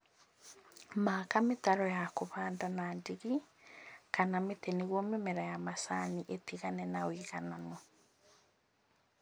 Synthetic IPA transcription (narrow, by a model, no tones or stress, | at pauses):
makametaɾɔjakoβaːndanandiɣi | kanameteneɣwɔmemɛɾajamasaniʔetiɣanɛnawiɣananɔ